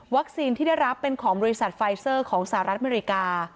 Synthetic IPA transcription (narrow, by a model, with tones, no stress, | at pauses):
wa˦˥k̚siː˧nt̪ʰiː˥˩da˥˩jɾa˦˥pːe˧nkʰɔː˩˦ŋbɔː˧ɾi˦˥sa˨˩t̪̚fa˧jsɤː˥˩kʰɔː˩˦ŋsa˧ɦa˨ɾa˦˥t̪ʔameː˧ɾi˦˥kaː˧